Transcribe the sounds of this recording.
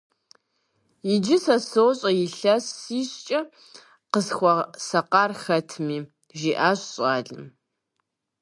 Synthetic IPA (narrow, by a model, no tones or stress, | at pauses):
jɪd͡ʒɪsɐsɨwɕʼɐjɪɬɐsːiːɕt͡ʃʼɐ | qəsxʷɔsɐqɑːrxɐtʰmiː | ʒiːʔaːɕɕʼaːɮɨm